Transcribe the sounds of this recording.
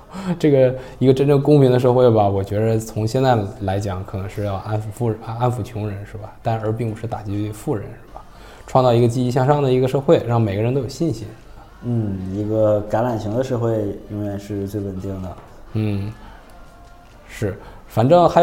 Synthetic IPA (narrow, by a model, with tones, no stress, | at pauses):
ʈ͡ʂɤ˥˩ɡə˩ | i˧˥ə˧ʈ͡ʂə˥nʈ͡ʂɤ˥˩ŋkʊ˥ŋpʰi˧˥ŋd̪ə˧ʂɤ˥˧xwe˥˩ɪbɐ˩wɔ˨˩t͡ɕɥɛ˧˥d̪ə˧t͡sʰʊ˧˥ŋɕjɛ˥˧nt͡sa˥˩ɪla˧˥ɪt͡ɕjɑ˨˩˦ŋkʰɤ˨˩nɤ˧˥ŋʂɻ̩˥˧jɑ˥˧ʊʔa˥nfu˧˩fu˥˩˧a˥nfu˧˩t͡ɕʰʊ˧˥ŋɻə˧˥nʂɻ̩˥˩ba˩t̪a˥˩nə˞˧˥p̬i˥˩ŋpu˧˥ʂɻ̩˥˩t̪a˨˩t͡ɕi˥˧˥fu˥˩ɻə̰˧˥nʂɻ̩˥˩bɐ˩ | ʈ͡ʂʰwɑ˥˧ŋt͡sɑ˥˩ʊ˧˥ɡə˧t͡ɕi˥i˥˧ɕjɑ˥˧ŋʂɑ˥˩ŋd̪ə˩i˧˥ɡə˧ʂɤ˥˧xwe˥˩ɪɻɑ˥˩ŋme˨˩ɪɡə˧˥t̪o˥jo˨˩ɕi˥˩nɕi˧˥ʂɻ̩˥˩ba˨˩n̩˥˩i˧˥ɡə˧ka˧˥la˨˩nɕi˧˥ŋd̪ə˧ʂɤ˥˧xwe˥˩ɪi˥nwe˥˧ɪʂɻ̩˥˧t͡swe˥˩ɪwə˨˩nt̪i˥˩ŋd̪ə˩ | n̩˥˩ | ʂɻ̩˥˩fa˨˩nʈ͡ʂɤ˥˩ŋxa˧˥